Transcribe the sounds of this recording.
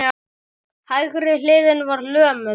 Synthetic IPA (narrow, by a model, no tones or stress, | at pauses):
hajɣʏɾɪlɪːðɪnvaɾlœːmʏ